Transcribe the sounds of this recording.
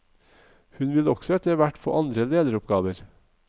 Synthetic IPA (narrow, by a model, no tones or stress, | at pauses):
hʉnʋɪlɔksɔɛt̪əʋæʈfɔ̰ːʔɑnd̪ɾəleːd̪əɾʊpɡɑːʋəɾ